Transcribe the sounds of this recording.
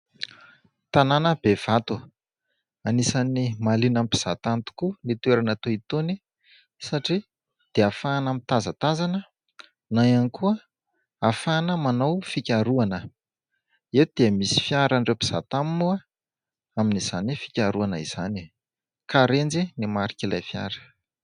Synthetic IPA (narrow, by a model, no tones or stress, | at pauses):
t̪ananəb̥ev̥at̪u | anisanimalinampi̥z̥at̪ant̪u̥kunit̪ueɾanat̪oit̪oni | saʈ͡ʂi | d̪̥eafaːnamit̪azət̪azanə | najanikuə | afanəmanawfikʲaɾuanə | ed̪̥eəmisi̥fjaɾaɳɖ͡ʐepi̥z̥a̰t̪aminua | aminiz̥anifi̥kʲaɾuanəiz̥ani | kaɾend͡zinimaɾikʲilajfja̰ɾə̥